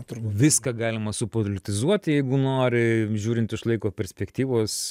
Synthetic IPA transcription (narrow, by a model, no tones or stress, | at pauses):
t̪ːʋʲɪskɐɡɑːlʲɪmɐsʊpolʲɪt̪ʲɪzuɔt̪ʲjɛɪɡʊnoːɾʲɪʒʲuːɾʲɪnt̪ɪʃlˠɐɪkoːpʲɛɾʲsʲpʲɛkt̪ʲiːʋoːs